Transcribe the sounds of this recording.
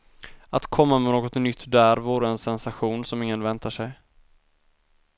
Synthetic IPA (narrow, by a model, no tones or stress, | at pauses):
at̪kʰɔmːamɛnoːɡɔt̪nʏt̪ʰːd̪æɾvoːɾəɛnsɛnsaɧuːnsɔmɪŋːənvɛnt̪aʂɛj